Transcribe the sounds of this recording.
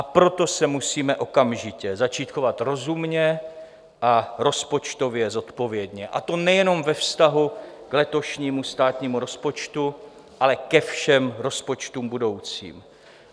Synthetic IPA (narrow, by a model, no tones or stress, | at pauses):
ʔapɾo̞t̪o̞sɛmusiːmɛʔo̞kamʒɪcɛzat͡ʃiːt̪xovat̪ɾo̞zumɲɛ | ʔaɾo̞spo̞t͡ʃt̪o̞vjɛzo̞t̪po̞vjɛd̪ɲɛʔa̰t̪o̞nɛjɛno̞mvɛfst̪aɦuklɛt̪o̞ʃɲiːmust̪aːt̪ɲiːmuɾo̞spo̞t͡ʃt̪u | ʔalɛkɛfʃɛmɾo̞spo̞t͡ʃt̪uːmbudo̞wt͡sḭːm